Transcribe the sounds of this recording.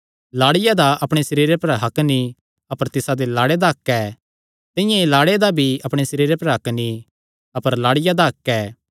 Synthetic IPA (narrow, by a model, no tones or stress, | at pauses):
laːɽɪjad̪aʔɐpɽ̃esɐɾiːɾepɐɾɦɐkni | ɐpəɾt̪ɪsad̪elaːɽed̪aɦɐkːɛː | t̪ɪ̃jãelaːɽed̪abʱiɐpɽ̃esɐɾiːɾepɐɾɦɐkni | ɐpəɾlaːɽɪjad̪aɦɐkːɛː